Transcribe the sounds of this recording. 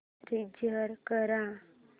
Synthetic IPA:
ɾid͡ʒəɾkəɾa

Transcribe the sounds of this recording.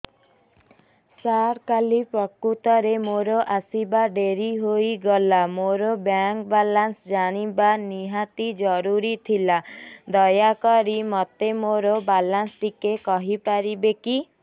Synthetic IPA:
saɾkalipɾɔkːut̪ɔɾemoɾoʔasibaɖeɾiɦoiɡɔlamoɾobjaŋk̚balansd͡ʒaɽ̃ibaniɦat̪id͡ʒɔɾuɾit̪ʰilad̪ɔjakɔɾimɔt̪emoɾobalanst̪ikekɔɦipaɾibeki

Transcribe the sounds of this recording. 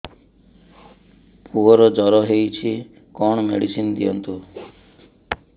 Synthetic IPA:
puɦɔɾɔd͡ʒɔɾɔɦejt͡ʃʰi | kɔɽ̃ɔmḛɽisind̪iɔnt̪u

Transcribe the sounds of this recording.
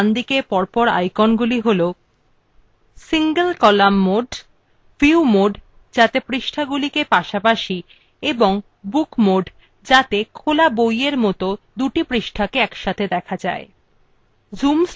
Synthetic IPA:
nd̪ikepɔɾpɔɾa̰jkɔnɡuliɦolo | siŋɡəlkɔlamːoɖ | fiumoɖ | d͡ʑat̪epɾiʃʈʰaɡulikepaʃapaʃi | eboŋ | bukmoɖ | d͡ʑat̪ekʰolabojeɾmɔt̪od̪uʈipɾiʃʈʰakeɛkʃat̪ʰed̪ɛkʰad͡ʑa̰e | d͡ʑums

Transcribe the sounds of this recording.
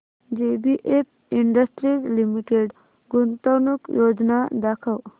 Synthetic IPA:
d͡ʒebiʔep̚ | iɳɖəsʈɾizlimiʈeɖ | ɡunt̪əwnukjod͡ʒnad̪akʰəw

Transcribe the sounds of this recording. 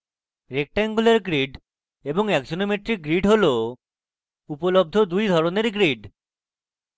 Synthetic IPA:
ɾek̚ʈɛŋɡuleɾɡɾiɖ | eboŋɛkd͡ʑonomeʈɾik̚ɡɾiɖɦolo | upolob̚d̪ʱod̪ujd̪ʱɔɾoneɾɡɾiɖ

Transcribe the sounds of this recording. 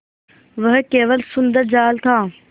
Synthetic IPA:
ʋəɦkeːʋəlsʊnd̪əɾd͡ʑaːlt̪ʰãː

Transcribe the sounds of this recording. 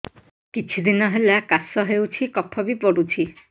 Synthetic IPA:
kit͡ʃʰud̪inɔɦelakasːɔɦewt͡ʃʰikɔpʰːɔbipɔɽut͡ʃʰi

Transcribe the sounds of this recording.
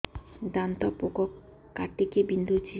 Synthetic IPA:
d̪ant̪ɔpokɔk | kːaʈ̪ikebind̪ud͡ʒi

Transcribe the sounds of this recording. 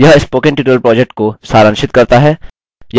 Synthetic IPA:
jɐɦɪspoːkɪ̃ɳʈɪːʈːəlpɾɔːd͡ʒek̚ʈ̚kosaːɾə̃nʃɪt̪kɐɾt̪aɦɛː | j

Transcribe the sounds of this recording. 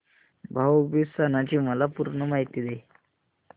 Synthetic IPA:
bʱawbisanat͡ɕiːməlapuɾɳəmaɦit̪iːd̪e

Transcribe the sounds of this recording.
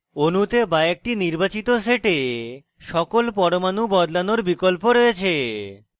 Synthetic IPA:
onut̪ebaek̚ʈiniɾbat͡ɕit̪oseʈe | ʃɔkolpɔɾomanubɔd̪lanoɾbikolpoɾɔjet͡ɕʰe

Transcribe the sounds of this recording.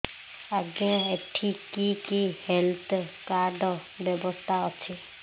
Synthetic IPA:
aɡɔ̃eʈʰikikihelt̪ʰkaɾɖɔ | bjɔbɔst̪ʰaɔt͡ʃʰi

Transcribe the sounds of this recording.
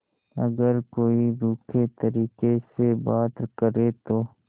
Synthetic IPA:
ɐɡəɾkoːiɾuːkʰet̪əɾiːkesebaːt̪ɾkəɾet̪oː

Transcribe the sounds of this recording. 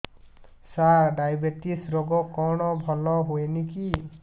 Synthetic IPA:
saɾɖajbeʈisɾoɡɔkɔɽ̃ɔbʱɔlɔɦueniki

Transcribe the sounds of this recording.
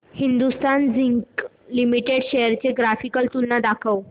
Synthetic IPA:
hind̪ust̪and͡ziŋk | limiʈeɽɕejəɾt͡ɕeɡɾafikəlt̪unːad̪akʰəw

